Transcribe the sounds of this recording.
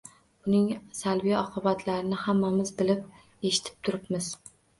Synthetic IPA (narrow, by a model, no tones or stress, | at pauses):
ʊnɪŋsalvijaɒqʰɨbat̪ʰlaɾɪnɪhamːamɪzbɪlɪp̚ | e̞ʃɪ̥t̪ʰɪ̥p̚t̪ʰʊɾɪpmɪz